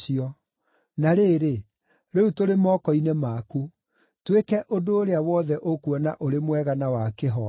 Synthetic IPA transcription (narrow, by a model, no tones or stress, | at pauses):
iɔ | naɾeːɾe | ɾɛutoɾemɔːkɔinemaku | twekɛʔodoːɾeawɔðɛʔokwɔnaʔoɾemwɛɣanawakeɦɔ